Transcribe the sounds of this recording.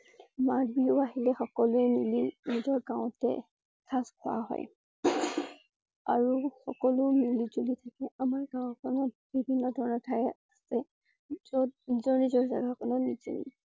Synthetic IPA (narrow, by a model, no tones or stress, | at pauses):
maɹbiʊaɦilɛxɔkɔlʊɛmilinizɔɹɡawʊ̃tɛ̰ | kʰaskʰʊwa̰ɦɔ̰j | a̰ɹuxɔkɔlʊmilizulitʰakɛamaɹɡãw̃kʰɔnɔt̚ | b̥ʱibʱinːɔdʱɔɹɔnɔɹtʰajɛasɛ | ɔnizɔɹnizɔɹza̰ɡakʰɔnɔnizṵnḭ